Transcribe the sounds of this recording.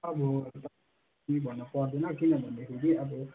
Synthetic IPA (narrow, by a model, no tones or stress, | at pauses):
ʌbɔt̪ʌ | mibʱʌnːʌpʌrd̪enʌkinʌbʱʌnd̪ekʰeɡiʌbʌ